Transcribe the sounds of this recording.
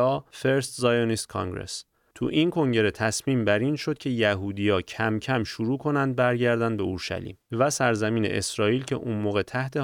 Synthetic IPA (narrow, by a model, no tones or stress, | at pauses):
ɒːfe̞ɾst̪zɒːjɒnist̪̚kʰɒ̰ŋɡɾḛs | t̪ʰṵʔinkʰo̞ŋɟe̞ɾe̞t̪ʰæsmiːmbæɾinʃo̞d̪̚cʰe̞jæɦuːd̪ijɒːcʰæmcʰæmʃuɾuːkʰo̞nænd̪̚bæɾɟæɾd̪ænd̪be̞uɾʃæ̰lḭːmvæsæɾzæmiːnḛʔesɾɒːiːlcʰe̞̰ʔunmoːɣe̞t̪ʰæht̪ʰe̞